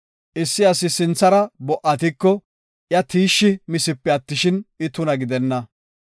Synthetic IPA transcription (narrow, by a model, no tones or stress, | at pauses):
ʔɪsːɪɐsɪsɪnt͡sːɐɾɐbɔʔɐt̪ɪkːɔ | ʔjɐt̪iːʃːɪmɪsɪpːɛɐt̪ːɪʃɪnɪt̪ʊnɐɡɪd̪ɛnːɐ